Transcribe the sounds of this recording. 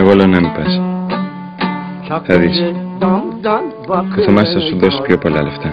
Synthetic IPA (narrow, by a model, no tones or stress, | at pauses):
eɣolenɐmipɐs | θɐðis | koθomɐsθɐsuðo̞si̥pço̞po̞lɐ̰left̪ɐ